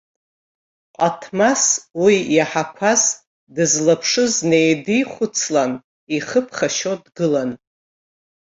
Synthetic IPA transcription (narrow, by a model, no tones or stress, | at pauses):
qʼatʰmaswijaħakʷʰas | dɨzlapʰʂɨzne̞jdijχʷʊt͡sʰlan | iχəpʰχaʃodɡɨlan